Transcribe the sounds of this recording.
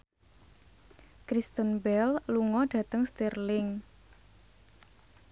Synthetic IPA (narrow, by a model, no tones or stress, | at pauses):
kɾist̪ənbɛlluŋɔɖ̥ä̤t̪əŋst̪irlɪŋ